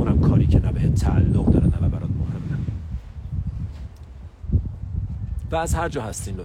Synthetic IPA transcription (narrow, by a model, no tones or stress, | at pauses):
uːnæmkʰɒːɾiːcʰenæbehet̪̚t̪ʰːæʔælːoɣd̪ɒːɾæd̪ævæbæɾɒːt̪mohe̞mːæm | væːzhæɾd͡ʒɒːhæst̪iːnlo